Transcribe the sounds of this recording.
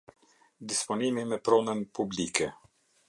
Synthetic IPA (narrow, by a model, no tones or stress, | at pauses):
d̪ispɔnimimɛpɾɔnənpublikɛ